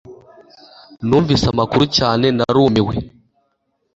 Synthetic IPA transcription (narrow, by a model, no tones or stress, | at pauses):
nuɱvisamakuɾut͡ʃanɛnaɾumiwɛ̰